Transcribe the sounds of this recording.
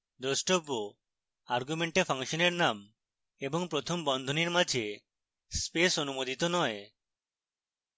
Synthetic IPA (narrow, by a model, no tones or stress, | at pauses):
d̪osʈobo | aɾɡumeɳʈepʰaŋʃɔneɾnam | ebɔŋpɾot̪ʰombɔnd̪ʱoniɾmad͡ʒʱe | spesonumod̪it̪onɔe